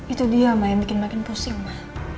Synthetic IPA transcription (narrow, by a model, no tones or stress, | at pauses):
it̪udiamahjabikɪnmakɪnpusɪŋmah